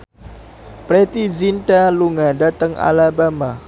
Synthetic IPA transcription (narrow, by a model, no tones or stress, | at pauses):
pɾɛt̪izinʈaluŋadat̪əŋa̰labama